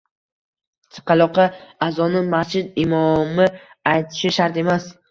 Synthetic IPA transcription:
t̪ʰɨ̥qɑlˠɒqʰɑazɒnɪmast͡ʃʰɪd̪ɪmɒmɪ | ajt̪ʰɪ̥ʃɪʃaɾt̪e̞mas

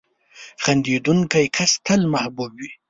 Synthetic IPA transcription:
xand̪ed̪uŋkajkʰast̪əlmahbubwi

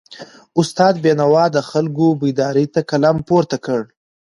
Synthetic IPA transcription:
ʊst̪ɑːd̪benawɑd̪əxalɡobid̪ɑɾit̪akalampoɾt̪akəɽ

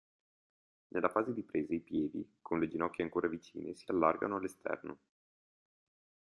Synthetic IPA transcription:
nʔelːafaːzed̪ipɾeːzeipjɛːd̪ḭkʰonled͡ʒinɔkːjeaŋkoːɾavit͡ʃḭːnʔḛsialːarɡa̰noalːest̪ɛ̰rno

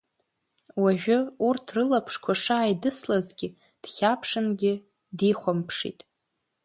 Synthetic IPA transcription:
waʒᶣʊurtʰrɨlapʰʂkʷʰaʂaːjdɨslazɡʲɪ | d̥χʲapʰʂɨnɡʲɪ | diχʷampʰʂḭtʼ

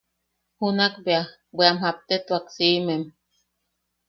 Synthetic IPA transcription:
hunakbea | bʷeamɦap̚t̪et̪uaksimem

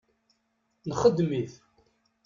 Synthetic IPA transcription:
nχəd̪miθ

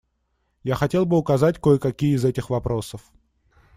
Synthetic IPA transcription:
jaxɐtʲe̞lˠbɨʊkɐzat̚ʲkojəkɐkʲijəɪzɛtʲɪxvɐpɾo̞səf

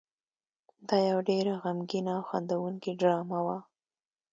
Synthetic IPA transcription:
d̪ɑjawɖeɾaɣamɡinawxand̪awuŋkiɖɾɑmawa

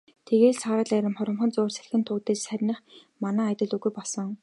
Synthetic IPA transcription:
t̪ʰeɣeːɮsaːɾə̆ɮæɾʲɪ̆mχʊɾɞ̆mχɞ̆nt͡sʊːrsæ̥ɮxʲɘ̆nt̪ʰʊːt̪eːssæɾʲnə̆χ | manæːt̪ʲɪ̆ɮuɣujpɔɮsɞ̆ŋ

